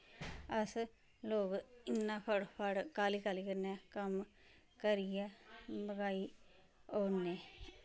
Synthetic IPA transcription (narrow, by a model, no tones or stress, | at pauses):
əs | loːɡɪnːãːpʰəɽpʰəɽkaːliːkaːliːkəɾnaːkəm | kəɾɪjaːbəɡaːiː | oːneː